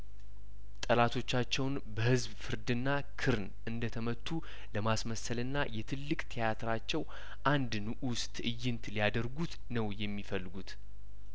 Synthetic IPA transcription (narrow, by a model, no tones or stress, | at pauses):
t̪ʼəlat̪ʰo̞t͡ʃːat͡ʃːɛwn | bəhɨzbfɨɾd̪ɨnːa | kʰɨɾn | ɨnd̪ət̪ʰəmət̪ʰːu | ləmasməsəlɨnːajɛt̪ʰɨlːɨkʼt̪ʰijat̪ʰɨɾat͡ʃːɛw | ʔand̪nɨʔust̪ʼɨjːɪnt̪ʰlijad̪əɾɡut̪ | nəwjɛmːifəlːɨɡut̪